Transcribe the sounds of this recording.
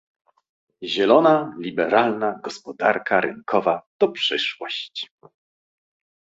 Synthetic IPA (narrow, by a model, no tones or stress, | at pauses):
ʑɛlɔnalʲibɛɾalnaɡɔspɔd̪aɾkʰaɾɘ̰ŋkʰɔvat̪ɔpʂɘʂwɔɕt͡ɕ